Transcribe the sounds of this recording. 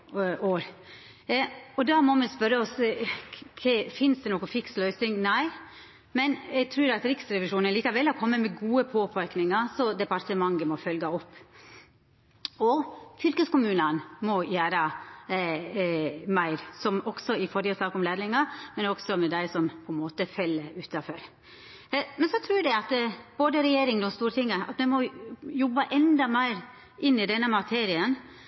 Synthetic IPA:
oːɾ | ɔd̪ɑmɔmɛnspœɾəɔs | kʰɛfɪnsd̪ɛnɔkʊfɪkslœʏsɪŋnæɪ | mɛnɛɡ̚t̪ʰɾʉːɾɑt̪ɾɪksɾɛʋɪʂuːnənliːkɑʋɛlːɔkʰɔmːəmɛɡuːəpʰoːpʰɑɾknɪŋɑsɔd̪ɛpɑɾt̪əmɑŋɡəmɔfœlɡɑɔpː | ɔfʏlkəskʊmʉːnənmɔjæːɾə | mæɪɾsɔmɔɡ̥sɔɪfɔɾɪt̪ʰɑːkɔmleːd̪lɪŋɑmɛnɔɡ̥sɔmɛd̪æɪsɔmpʰɔɛnmoːt̪əfɛlːəʉːt̪ɑfɔɾ | mɛnsɔt̪ʰɾʉːɖæɪɑt̪b̥oːd̪əɾɛjeːɾɪŋd̪ɔmst̪uːɾət̪ɪŋːəɑ̰t̪mɛmɔjɔbːəʔɛnd̪ɑmæɪɾ | ʔɪnːɪd̪ɛnːəmɑt̪ʰeːɾɪən

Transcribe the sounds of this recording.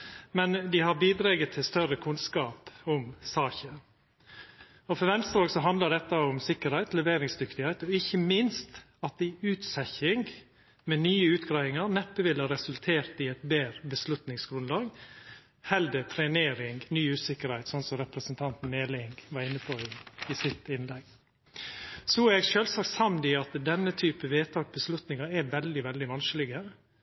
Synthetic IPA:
mɛnd̪ɪhɑɾbiːd̪ɾɑːɡət̪ʰːɪlst̪œɾəkʰʉnskɑːpʊmsɑːçə | ɔfɔɾʋɛnst̪əɾɑːɡsɔɦɑnd̪ləd̪ɛt̪ːəʊmsɪkəɾhæɪt̪lɛʋeːɾɪŋsd̪ʏkt̪ɪhæɪt̪ɔɪçːəmɪnst̪ | ɑt̪̚ɪʉːt̪sɛçɪŋɡ | mɛnyːəʉːt̪ɡɾɑɪʋɪŋəɾnɛpːəʋɪlhɑɾɛsʉlt̪ʰeːɾt̪ɪɛɪt̪beːɾəbəslʉt̪nɪŋsɡɾʉnlɑːɡ | hɛld̪ət̪ʰɾɛneːɾɪŋnyːʉːsɪkːəɾhæɪt̪sɔnsɔɾɛpɾəsnt̪ʰɑnt̪n̩eːlɪŋɡʋɑɾɪnːəpʰɔɪɪsɪt̪ɪnlɛɡ | sɔæɾɛɡʃøːlsɑk̪sɑmd̪ɪɑt̪d̪ɛnːət̪ʰyːpəʋeːt̪ʰɑːkbəslʉt̪nɪŋɑɾɛɾʋɛld̪ɪʋɛld̪ɪʋɑnsklɪɡə

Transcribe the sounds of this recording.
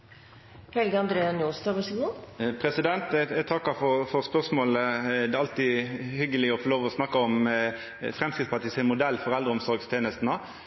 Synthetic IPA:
hɛlɡəɑnd̪ɾeːɑnjuːst̪ɑʋəsəɡupʰɾɛsɪd̪ɛnt̪t̪ʰɑkːɑfɔfɔʁspœʁsmoːləd̪ɛːɑlt̪ɪhʏɡːəlɪɔfɔʁloːʋɔsnɑkːəɔm | fʁɛmskɪt̪spʰɑt̪ɪsɪnmʊd̪ɛlfɔʁɛld̪ɾəɔmsɔɾɡst̪ʰeːnəst̪nə

